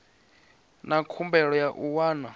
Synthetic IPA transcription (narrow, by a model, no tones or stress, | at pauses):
nakʰumbɛɺɔjaʔuwaːna